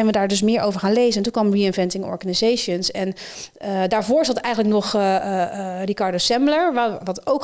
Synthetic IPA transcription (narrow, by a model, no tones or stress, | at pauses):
ɛjnʋədaːɹdɵs̬mɪːɹʔowvəɹχaːnlejzənɛntũnkʋɑmriɪnvɛntɪŋɔ̰ɹχanizejʃənsɛn | daːɹvʊːɹsɑtɛjχənləknɔχ | rikɑɹdosɛmbləɹʋaʋɑtowk